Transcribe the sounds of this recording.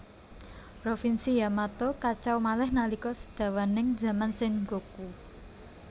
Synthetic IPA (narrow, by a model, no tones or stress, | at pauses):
pɾofinsijamat̪okat͡ʃawmalɛhnalikɔsə̥d̪̥ä̤wanɪŋza̤mansɪŋɡoku